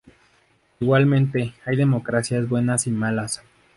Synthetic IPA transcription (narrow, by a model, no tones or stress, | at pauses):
iɣwalmẽ̞nt̪e̞ajðe̞mo̞kɾasjazbwe̞nasimalas